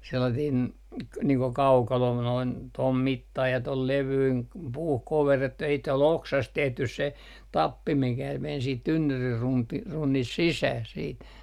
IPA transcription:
selːɑtiːn niːŋ ko kɑukɑlo noin tom mitːɑi jɑ tol leʋyin puːh koʋerːetːu jɑ sit ol oksɑst tehtys se tɑpːi mikæ men siːt tynːyrir runti runːist sisæh siːt

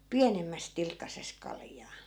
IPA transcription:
piænemːæs tilkːɑses kɑljɑː

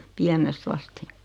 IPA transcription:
piænest ɑsti

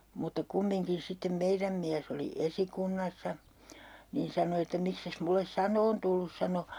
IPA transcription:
mutːɑ kumːiŋkin sitːem meiræm miæs oli esikunːɑsːɑ niːn sɑno etːæ mikses mulːes sɑnoːn tulːus sɑno

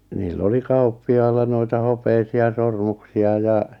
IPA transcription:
niːlː oli kɑupːiɑilːɑ noitɑ hopeisiɑ sormuksiɑ jɑ

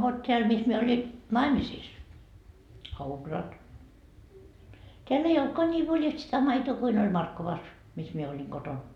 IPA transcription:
ʋot teæl mis mie oli nɑimisiːs teælː ei oltkɑː niː ʋoljɑlt sitæ mɑitoː kuin olʲ mɑrkːoʋɑs mis mie olʲiŋ koton

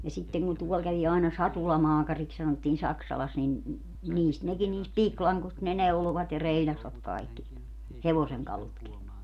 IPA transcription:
jɑ sitːeŋ ku ne tuɔl kæʋi ɑˑenɑ sɑtulɑmɑːkɑriks sɑnotːiːn sɑksɑlɑs nin niːst nekin niːst piklɑŋkost ne neuloʋɑt jɑ reilʲɑsʋɑt kɑikːi heʋoseŋkɑlutki

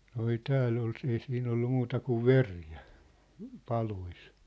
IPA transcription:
no ei tæːlː ol ei siːn olːu muːtɑ kuʋ ʋerjæ pɑlois

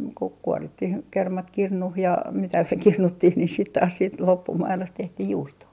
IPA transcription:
kuk kuɔritːih kermɑt kirnuh jɑ mitæ kirnutːih ni sit tɑːs siːt lopːumɑilost tehtih juːstoː

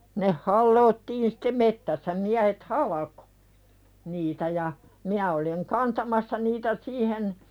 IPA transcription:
neh hɑlːoːtːiːn si̥te metːæsːæ miæhet hɑlɑko̥ niːtæ jɑ minæ oliŋ kɑntɑmɑsːɑ niːtæ siːhen

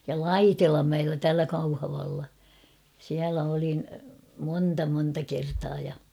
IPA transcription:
jɑ lɑitilɑmːæelːæ tæːlæ kɑuhɑʋɑlːɑ siælæ olin monːtɑ montɑ kertɑː jɑ

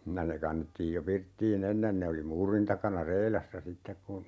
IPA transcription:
jɑ ne kɑnːetːiːj jo pirtːiːn enːen ne oli muːrin tɑkɑnɑ reilɑsːɑ sitːek kun

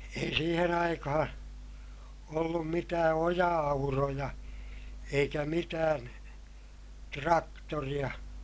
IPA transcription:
ei siːhen ɑikɑhɑ̃ː olːum mitæː ojɑɑurojɑ eikæ mitæːn trɑktorij̆ɑ

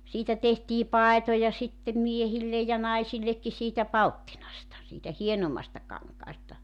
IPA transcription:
siːtæ tehtiː pɑetojɑ sitːem miehilːej jɑ nɑisilːekːi siːtæ pɑltːinɑstɑ siːtæ hienomːɑstɑ kɑŋkɑːstɑ

